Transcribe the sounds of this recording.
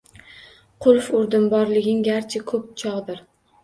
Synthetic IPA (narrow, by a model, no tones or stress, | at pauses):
qʰʊlˠfʊɾd̪ɪmbɒɾlɪɡʲɪŋɡʲaɾt͡ʃʰɪkʰɵp̚t͡ʃʰɒʁd̪ɪɾ